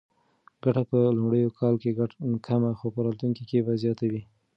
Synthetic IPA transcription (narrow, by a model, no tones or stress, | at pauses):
ɡaʈapəlʊmɽəjokʰɑlkeɡakʰamaxopəɾɑt̪uŋkikebazjɑt̪awi